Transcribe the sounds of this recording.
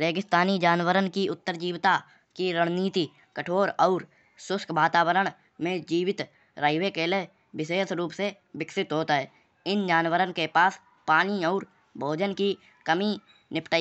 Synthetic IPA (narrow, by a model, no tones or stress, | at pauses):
ɾeːkɪst̪aːnid͡ʒaːnwəɾənkiʊt̪ːəɾd͡ʒiːwt̪a | kiɾəɽ̃niːt̪i | kəʈʰoːɾɔːɾ | sʊskʰbaːt̪aːwəɾəɽ̃ | mẽd͡ʒiːwɪt̪ | ɾaɪʋekele | bɪʃeːsɾuːpse | bɪksɪt̪ɦoːt̪aɦɛː | ɪnd͡ʒaːnwəɾənkepaːs | paːniɔːɾ | bʱoːd͡ʒənki | kəmi | nɪpʈə